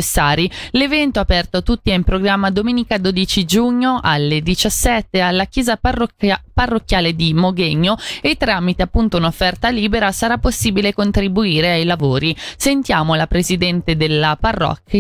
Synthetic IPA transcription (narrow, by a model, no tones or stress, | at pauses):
esːaːɾilevɛnt̪oapɛrt̪oat̪ːut̪ːiɛimpɾoɡɾamːad̪omeːnikad̪oːd̪it͡ʃid͡ʒuɲːoʔalːed̪it͡ʃasːɛt̪ːealːakjɛːza | parːokːjaːled̪imoɡeɲːoet̪ːɾamit̪eapːunt̪ounofːɛrt̪aliːbeɾasaɾapːosːiːbilekont̪ɾibuiːɾeajlavoːɾisent̪jaːmolapɾezid̪ɛnt̪ed̪elːaparːɔ̰kː